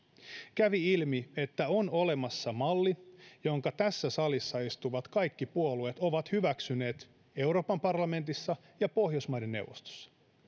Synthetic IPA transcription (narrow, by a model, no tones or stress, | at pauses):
kæʋiilmie̞t̪ːæono̞le̞mɑsːɑmɑlːijo̞ŋkɑt̪æsːæsɑlisːɑist̪uʋɑt̪kɑjkːipuoluet̪o̞ʋɑt̪hyʋæksyne̞ːt̪ | e̞uɾo̞ːpɑmpɑrlɑme̞nt̪isːɑ | jɑpo̞hjosmɑjde̞nːe̞̰wʋo̰st̪o̥sːɑ̥